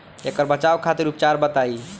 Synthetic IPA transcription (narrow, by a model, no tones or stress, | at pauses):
ekəɾbət͡ʃawkʰat̪iɾupt͡ʃaɾbət̪ai